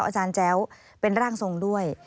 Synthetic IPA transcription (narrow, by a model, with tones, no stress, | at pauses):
wʔaː˧t͡ɕaː˧nt͡ɕɛː˦˥w | pe˧nɾaː˥˩ŋso˨˩ŋdu˥˩əj